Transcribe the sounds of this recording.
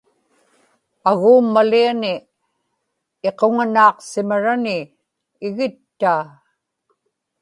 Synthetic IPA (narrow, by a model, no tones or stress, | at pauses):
aɣuːmːalianɪ | e̞qoŋanɑːqsɪmaɻanɪː | ɣɪt̪ːaː